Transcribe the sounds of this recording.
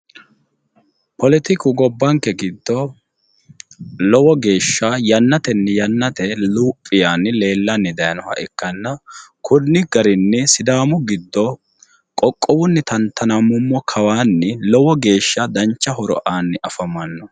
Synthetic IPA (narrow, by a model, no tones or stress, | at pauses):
pɔlɪt̪ɪkʊɡɔbːɐŋkːɛɡɪd̪ːɔ | lɔwɔɡe̞ːʃːajɐnːɐt̪ɛnːɛjɐnːɐt̪ɛluːpʼːɪjaːnːɪle̞ːlːɐnːɪd̪ɐjɐnɔhɐ̰ʔɪkːɐnːɐkʰʊnːɪɡ̥ɐɾɪnːɪsɪd̪aːmʊɡɪd̪ːɔ | kʼɔkʼːɔwʊnːɪt̪ɐnt̪ʰːɐnɐmʊmːɔkʰɐwaːnːɪlɔwɔɡe̞ːʃːɐd̪ɐɲt͡ʃːɐhɔɾɔ̰ʔaːnːɪʔɐfɐmɐnːɔ